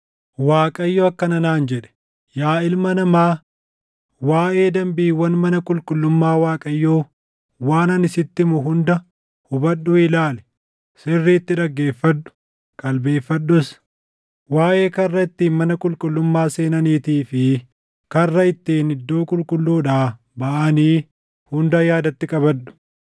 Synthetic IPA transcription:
waːkʼɐjːoːɐkːɐnɐnaːnd͡ʒɛᶑɛ̥ | jaːɪlmɐnɐmaː | waːʔe̞ːd̪ɐmbiːwɐnmɐnɐkʼʊlkʼʊlːʊmːaːwaːkʼɐjːoː | waːnɐnɪsɪt̪ːɪmʊɦʊnd̪ɐ | hʊbɐᶑːʊɪlaːlɛ̥ | sɪrːiːt̪ːɪᶑɐɡːe̞ːfːɐᶑʊ̥ | kʼɐlbe̞ːfːɐɗːʊs | waːʔe̞ːkɐrːɐɪt̪ːiːmɐnɐkʼʊlkʼʊlːʊmːaːse̞ːnɐniːt̪iːfɪ | kɐrːɐɪt̪ːiːnɪd̪ːo̞ːkʼʊlkʼʊlːuːᶑaː | bɐʔɐniː | hʊnd̪ɐjaːd̪ɐt̪ːɪkʼɐbɐᶑʊ̥

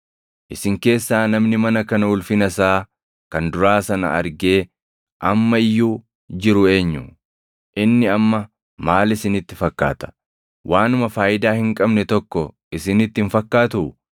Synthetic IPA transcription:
ʔɪsɪŋke̞ːsːaːnɐmnɪmɐnɐkɐnɐʊlfɪnɐsaː | kɐnd̪ʊɾaːsɐnɐ̰ɐ̰ɾɡe̞ː | ʔɐmːɐɪjːuː | d͡ʒɪɾʊe̞ːɲːʊ | ʔɪnːɪɐmːɐ | maːlɪsɪnɪt̪ːɪfɐkːa̰ːt̪ɐ̥ | wʔaːnʊmɐfaːjɪd̪aːhɪŋkʼɐbnɛt̪ɔkːɔ | ɪsɪnɪt̪ːɪnfɐkːaːt̪ʊ

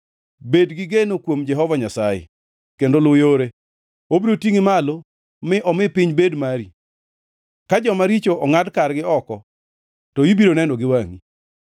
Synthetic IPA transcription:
bedɡɪɡenokwomd͡ʒɛɦɔvaɲasajḛ | kendolʊjoɾe | obiɾotiŋɪmalo | mɪʔɔmɪpɪɲbedmaɾi | kad͡ʒɔmaɾit͡ʃoʔɔŋadkarɡɪɔkɔ | tɔibiɾonɛndoɡɪwaŋi

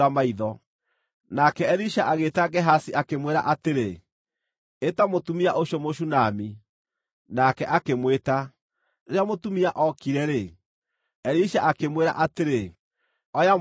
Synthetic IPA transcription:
amaiðɔ | nakɛɛɾiʃaʔaɣetaɡɛɦasiakemweɾa̰ʔateɾe | etamotumiaʔoɕɔmoʃunami | nakɛʔakemweta | eɾeamotumiaʔɔkiɾɛɾe | ɛɾiʃaʔakemweɾa̰ʔateɾe | ɔja

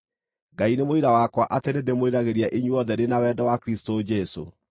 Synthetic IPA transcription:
ɡainemoiɾawakwaʔatenedemoiɾaɣeɾjaʔiɲwɔðɛɾenawɛdawakɾistod͡ʒɛso̰

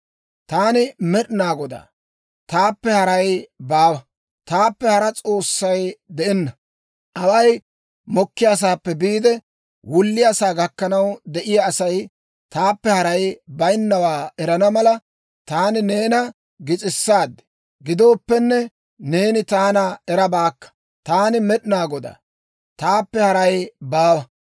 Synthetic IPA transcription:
t̪aːnɪmɛɗɪnaːɡɔd̪a̰ː | t̪aːpːɛhɐɾɐjbaːwɐ | t̪aːpːɛhɐɾɐt͡sʼo̞ːsːɐjd̪ɛʔɛnːɐ | ʔɐwɐj | mɔkːɪjaːs̬aːpːɛbiːd̪ɛ | wʊlːɪjasaːɡɐkːɐnɐwd̪ɛʔɪjaːsɐj | t̪aːpːɛhɐɾɐjbɐjnːɐwaːɛɾɐnɐmɐlɐ | t̪aːnɪne̞ːnɐ | ɡɪt͡sʼɪsːaːd̪ːɛ̥ | ɡɪd̪o̞ːpːɛnːɛ | ne̞ːnɪt̪aːnɐɛɾɐbaːkːɐ̥ | t̪aːnɪmɛɗɪnaːɡɔd̪a̰ | t̪aːpːɛhɐɾɐjbaːwɐ

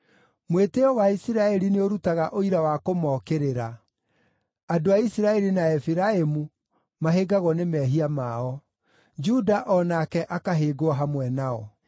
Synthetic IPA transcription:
mweteɔwaisiɾaɛɾineoɾutaɣaʔoiɾawakomɔːkeɾeɾa | adoaisiɾaɛɾinaɛfiɾaemu | maɦeɡaɣɔnemɛɦiamaɔ | d͡ʒudaʔɔnakɛʔakaɦeːɡoaɦamwɛnaɔ

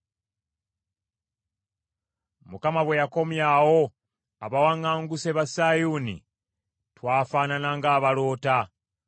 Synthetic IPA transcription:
mukamaβwe̞jako̞mjawo̞ | aβawaŋɡaːŋɡuseβasaːjuːnḭ | twaːfaːnanaŋɡaːβalo̞ːta

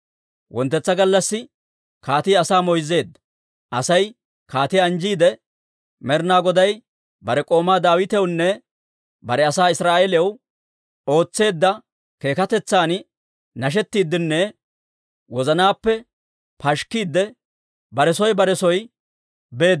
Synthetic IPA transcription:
wɔnt̪ːɛt͡sːɐɡɐlːɐsːɪ | kaːt̪ijɐsaːmɔjze̞ːd̪ːɐ | ʔɐsɐj | kaːt̪iɐnd͡ʒiːd̪ɛ | mɛɾnaːɡɔd̪ɐj | bɐɾɛkʼo̞ːmaːd̪aːwɪt̪ɛwnːɛ | bɐɾɛɐsaːɪsɾaːʔeːlɛw | o̞ːt͡sːe̞ːd̪ːɐ | ke̞ːkɐt̪ɛt͡sːaːn | nɐʃ̬ɛt̪ːiːd̪ːɪnːɛ | wɔzɐnaːpːɛ | pɐʃkːiːd̪ːɛ | bɐɾɛsɔjbɐɾɛsɔj | be̞ːd̪

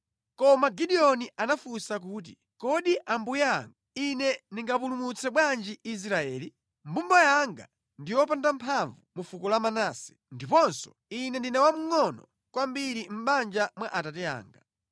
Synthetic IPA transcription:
kɔmaɡiɗiɔniʔanafusak̬uːt̬ḭ | kɔɗiʔambujɛaŋɡainɛniŋɡapulumut͡sʰɛɓwand͡ʒiʔis̬ɾaɛːli | mbumbajaŋɡa̰ | ndijɔpandampʰaɱvumufukɔlamanaːsɛ̥ | ndipɔnsɔ̥ | inɛndinɛwam̩ŋɔnɔ | kwambiɾim̩ɓand͡ʒamwaʔatatɛa̰ːŋɡa

